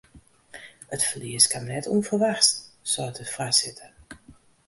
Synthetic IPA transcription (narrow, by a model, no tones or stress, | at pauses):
ətfəliəskamnɛtʰunfərʋaxstsɔətʰəfrasɪtʰə